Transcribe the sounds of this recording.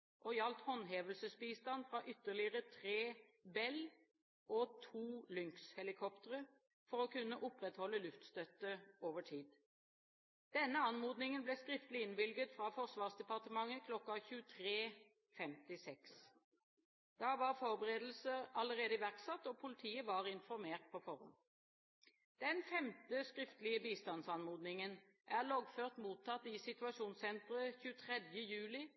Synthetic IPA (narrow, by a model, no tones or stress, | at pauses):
ʔɔjɑlt̪hɔnːɦeːʋəlsəsbiːst̪ɑnfɾɑʔʏt̪ːəʁlɪəʁət̪ʰʁeːbɛl | ʔɔt̪ʰuːlʏŋkshɛlɪkʰɔpt̪əʁə | fɔʁɔkʉnːəʔʊpʁɛt̪hɔlːəlʉft̪st̪œt̪ːəoːʋəʈʰiːd̪ | d̪̥ɛnːəɑnmuːd̪nɪŋənbleːskʁɪft̪əlɪɪnʋɪlɡət̪fʁɑfɔʁsʋɑːʁsd̪ɛpɑʁt̪əmɑŋːəkʰlɔkːɑçʉːət̪ʰʁeː | fɛmt̪ɪsɛks | d̪̥ɑːʋɑːʁfɔʁbəʁeːd̪l̩səʁɑləʁeːd̪əɪʋæʁksɑt̪ːɔːpʰʊlɪt̪ʰiːəʋɑʁɪnfɔʁmeːʁt̪̚pʰɔfɔʁɔ̰m | d̪̥ɛnfɛmt̪əskʁɪft̪əlɪəbiːst̪ɑnsɑnmuːd̪nɪŋən | ʔæʁlɔɡføːʁt̪muːt̪ʰːɑt̪ːɪsɪt̪ʉɑʃuːnsɛnt̪ʁəçʉːət̪ʰʁɛd̪jəjʉːlɪ